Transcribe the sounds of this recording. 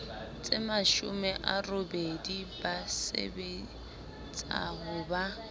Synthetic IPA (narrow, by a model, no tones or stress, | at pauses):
t͡sʼɪmaʃʊmɛʔarobedibasḛbe | t͡sʼa̰ɦʊba